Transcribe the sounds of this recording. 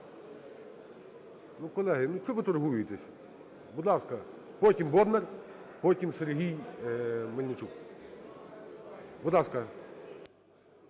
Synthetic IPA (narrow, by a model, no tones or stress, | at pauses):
nukɔlˠɛɦɪnuʃt͡ʃɔʋɪt̪ɔrɦujʊjɪt̪ɛsʲ | bʊd̪lˠɑskɐ | pɔtʲimbɔd̪nɛr | pɔtʲimserɦʲij | mɐlʲnʲɪt͡ʃuk | bʊd̪lˠɑskɐ